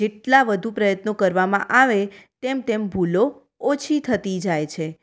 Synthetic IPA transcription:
d͡ʒeʈlaʋəd̪ʱupɾəjət̪nokəɾʋamã̰ʔaʋet̪emt̪embʱulo | ot͡ʃʰit̪ʰət̪id͡ʒajt͡ʃʰe

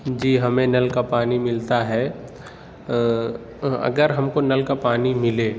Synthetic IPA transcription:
d͡ʒiːɦɐmẽnɐlkapaːnimɪlt̪aɦɛː | ɐ̰ɡəɾɦɐmkonɐlkapaːnimɪleː

